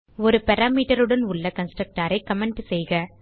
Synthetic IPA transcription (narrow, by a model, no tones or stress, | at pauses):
ɔɾɯpɛɾaːmiːʈɐɾɯɽɐnʊɭːɐkɐnsʈɾɐk̚ʈaːɾɐɪkɐmɛɳɖɯsɛjɣɐ